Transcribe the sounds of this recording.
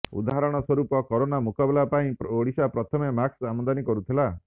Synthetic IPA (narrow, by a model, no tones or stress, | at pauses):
ṵd̪aɦaɾɔɽ̃ɔswɔɾupɔkɔɾonamukabelapaĩpoɽisapɾɔt̪ʰɔmemaksamɔnd̪anikɔɾut̪ʰila